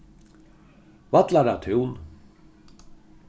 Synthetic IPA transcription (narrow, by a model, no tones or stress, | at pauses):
vat̪laɾat̪ʰʏwn